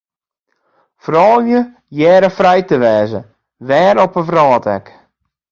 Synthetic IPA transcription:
frɔlˠjə | jɛːɾəfrɛjtəʋɛːzə̰ | ʋɛːɾɔpəfrɔːtɛk

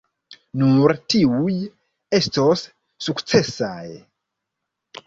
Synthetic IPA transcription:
nuɾtiuj | estosː | ukt͡se̞saj

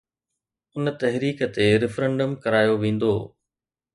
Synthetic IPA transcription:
ʊnt̪ɐɦɾiːkə̆t̪eɾɪfɾɛ̃ɳɖəmkɐɾaːjoʋẽːn̆d̪oː

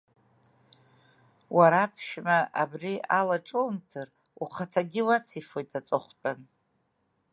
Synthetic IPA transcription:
waɾapʰʃᶣmaʔabrialaʈ͡ʂʼomtʰɨr | uχatʰaɡʲɪwat͡sʰifojtʰʼat͡sʼɨχʷt͡pʼan

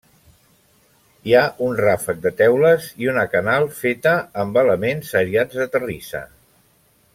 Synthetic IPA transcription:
iaʔunrafək̚d̪ət̪ɛwləziunəkənalˠfet̪əːmbələmenzəɾiad͡zðət̪ərisə̰

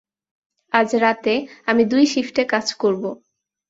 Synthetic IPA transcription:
ad͡ʑɾat̪eamid̪ujʃifʈekad͡ʑkoɾbo

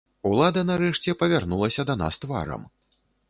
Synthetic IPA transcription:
ulˠad̪ɐnaɾɛʂt͡sʲɛpɐvʲarnulˠɐsʲɐd̪ɐna̰st̪va̰ɾɐ̰m

